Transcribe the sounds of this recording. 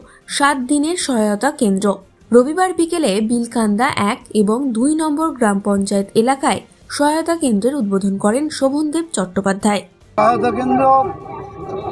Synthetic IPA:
ʃat̪̚d̪ineɾʃɔɦaot̪akend̪ɾo | ɾobibaɾbikelebilkʰand̪aʔɛkeboŋd̪ujnɔmboɾɡɾampɔnt͡ɕaet̪elakae | ʃɔɦaot̪akend̪ɾeɾud̪̚bod̪ʱonkɔɾenʃobʱond̪eb̚t͡ɕɔʈːopad̪ʱːae | ɔɦaot̪akend̪ɾo

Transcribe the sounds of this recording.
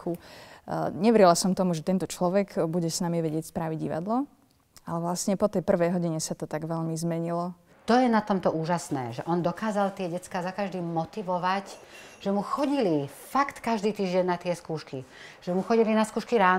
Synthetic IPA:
ku | ɲɛʋɛɾilasɔmt̪ɔmuʒɛt̪ɛnt̪ɔt͡ʃlɔʋɛɡbuɟɛsnamiʋɛɟɪɛcspɾaʋiɟɟḭʋa̰d̪lɔ | alɛʋlasɲɛpɔt̪ɛjpr̩ʋɛjɦɔɟiɲɛsat̪ɔt̪aɡʋɛʎmizmɛɲilɔ | t̪ɔjɛnat̪ɔmt̪ɔʔuːʒasnɛ̰ːʒɛʔɔnd̪ɔkaːzalt̪ɪɛɟɛt͡skaːzakaʒd̪iːmɔt̪iʋɔʋac | ʒ̥ɛmuxɔɟili | fakt̪kaʒd̪iːt̪iːʒɟɛnnːat̪ɪɛskuːʃkiʒ̥ɛmuxɔɟilinaskuːʃkiɾaː

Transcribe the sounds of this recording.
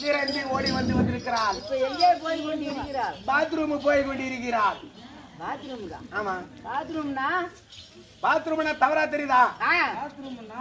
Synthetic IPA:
d̪ɪɾɐnd̪ioːɽiʋɐnd̪ɯʋɐnd̪ɪɾɯkːɪɾaːlɪpːoːɛŋɡeːp̬oːjkoɳɖɪɾɯkːɪɾaːlbaːt̪̬ɾuːmɯpoːjkoɳɖɪɪɾɯk̬ːɪɾaːl | baːt̪ɾumðã̰ːaːmaːbaːt̪ɾumnaː | baːt̪ɾuːmɐnːaːt̪ɐʋɐɾaːt̪ɛɾiðãːaːaːt̪ɾum

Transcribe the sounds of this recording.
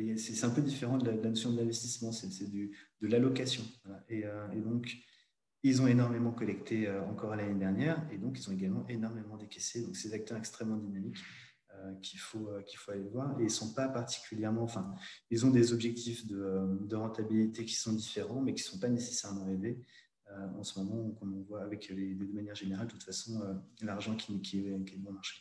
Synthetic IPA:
jasɛsɛt̪ɛ̃pød̪ifeʁɑ̃d̪əlad̪əlanɔsjɔ̃d̪əlɛ̃vɛst̪ismɑ̃sɛsɛd̪yd̪̥əlalɔkasjɔ̃vwalaʔeøed̪ɔ̃k | ilzɔ̃enɔʁmemɑ̃kɔlɛkt̪ʰeøɑ̃kɔʁalaned̪ɛʁnjɛʁed̪ɔ̃k̬ilzɔ̃eɡalmɑ̃ʔenɔʁmemɑ̃d̪ekʲased̪ɔ̃ksɛezak̚t̪œʁɛkst̪χɛmːɑ̃d̪inamik | økʲʰifoøkʲilfoalevwaʁeilsɔ̃papaʁt̪i̥kʲyljɛʁmɑ̃ɑ̃fɛ̃ilzɔ̃d̪ezɔbʒɛk̚t̪ʰifd̪əd̪əʁɑ̃t̪abilit̪ekʲi̥sɔ̃d̪ifeʁɑ̃mɛkʲi̥sɔ̃panese̥sɛʁmɑ̃eve | øɑ̰̃səmɔmɑ̃kɔ̃nɔ̃vwaːvɛkleded̪əmanjɛʁʒeneʁaldət̪ut̪fasɔ̃ølaʁʒɑ̃kʲʰikʲʰiɛkʲiɛbɔ̃maʁʃe̥

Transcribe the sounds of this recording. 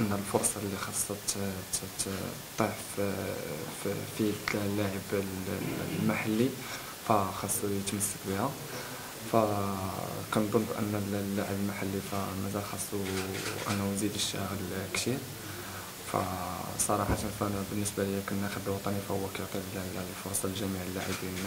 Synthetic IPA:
ʔənːəlfoɾˤsˤɑlːixɑsˤːɑt̪ | t̪ˤːiʕ | filːaʕəblmaħalːi | fæxɑsˤːuət̪məsːəkbihæ | fæ | kænd̪ˤonːbʔə̰nːəllːaʕəbəlmaħalːifæmæzælxɑsˤːuʔæ̰nːænzid̪əʃːæɣəlkt̪iɾ | fæ̰sˤɑɾˤɑħɑt̪ənfænæbənːəsbaləjæknːæxəb̪əlwɑt̪ˤɑnifæhʊwːækæjoʕt̪ˤilllfʊɾˤsˤɑlʒæmiʕəlːaʕibinːæ

